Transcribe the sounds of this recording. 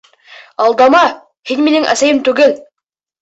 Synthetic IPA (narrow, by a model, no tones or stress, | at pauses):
ɑlˠd̪ɑmɑ | hinminɘŋʔæ̰sæjɘmt̪ʉɡɘl